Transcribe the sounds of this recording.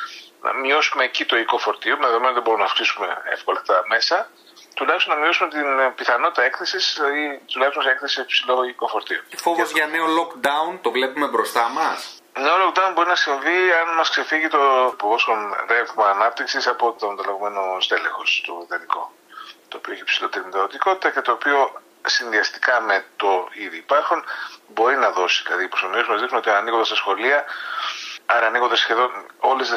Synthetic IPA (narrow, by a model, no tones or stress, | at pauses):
nɐ̰mio̞sume̞ːcit̪o̞iko̞fo̞ɾt̪iomeðeðomenoðebo̞ɾumenɐfksisume̞̰ḛfko̞lɐft̪ɐt̪ɐme̞sɐ | t̪ulɐçist̪onɐmio̞sume̞t̪inpiθɐno̞t̪it̪ɐekθe̞sisit̪ulɐçst̪omesekθe̞sipsilo̞iko̞fo̞ɾt̪iofo̞vozʝɐne̞o̞lo̞kd̪ɐunt̪o̞vle̞pume̞bɾo̞st̪ɐmɐs | neolokd̪ɐunbo̞ɾinɐsiɱviɐnmɐskse̞fiʝit̪o̞povosonɾevimɐːnɐp̚t̪iksisɐpo̞t̪ont̪ɐlɐɣome̞nost̪elexo̞st̪oðɐniko̞̰ | t̪oːpioeçipsilot̪iɾimnid̪ɐðot̪iko̞t̪i̥t̪ɐce̞t̪o̞ːpio̞ | sinðiɐst̪i̥kɐme̞t̪o̞iðiːpɐɾxunbo̞ɾinɐðo̞siðilɐ̰ðiposomiesumɐzðixnunot̪iɐɐniɣo̞nd̪ɐst̪ɐsxo̞liɐ | ɐɾɐːniɣond̪ɐsçe̞ðo̞noles